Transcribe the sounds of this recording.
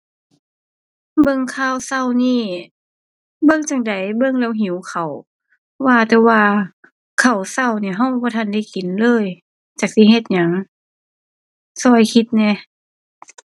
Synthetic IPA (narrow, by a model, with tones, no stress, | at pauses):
bɤ˧˨ŋkʰaː˧˥˨wsa˧˩˨wniː˧˩ | bɤ˧˨ŋt͡ɕa˧˩ŋda˨˦jbɤ˧˥˨ŋlɛː˧˩wɦĩ˨˦wkʰa˨˩w | waː˧t̪ɛː˧waː˧ | kʰa˨˩wsa˧˩˨wniː˧˩ɦa˧˩wbɔː˧˦t̪ʰa˧˩˨nda˧˩˨jki˨˦nlɤː˧˥˨j | t͡ɕaː˧˩k̚si˧˦ɦe˧t̪̚ɲa˨˦ŋ | sɔː˧˩jkʰi˧t̪̚nɛ˧˩